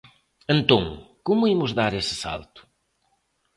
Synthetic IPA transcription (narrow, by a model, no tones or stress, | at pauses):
ẽnt̪õŋkomʊimʊzðaɾesɨ̥sa̰lˠt̪ʊ̥